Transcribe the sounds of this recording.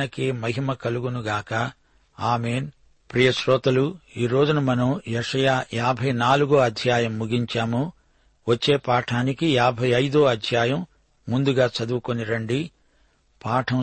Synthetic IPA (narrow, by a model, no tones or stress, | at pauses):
ɐkeːmɐɦimɐkɐluɡunuɡaːkɐ | aːme̞ːn | pɾijɐʃɾɔːt̪ɐluiːɾo̞ːd͡ʒunɐmɐnɐmjɛʂɐjaːjaːbʱɐjnaːluɡoːɐd̪ʱjaːjɐmːuɡiɲt͡ʃaːmu | ʋɐt͡ʃːe̞ːpaːʈʰaːnikijaːbʱɐjɐjd̪oːɐd̪ʱjaːjɐmː | und̪uɡaːt͡ʃɐd̪ukoniɾɐɳɖi | paːʈʰɐm